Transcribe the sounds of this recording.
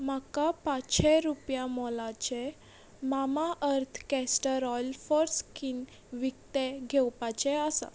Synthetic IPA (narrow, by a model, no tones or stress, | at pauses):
makapatːɕʰeɾupjãmɔlat͡ɕe | mamaʔəɾt̪ʰkɛsʈəɾɔjlfɔɾskin | ʋik̚t̪eɡʱɛwpat͡ɕeasa̰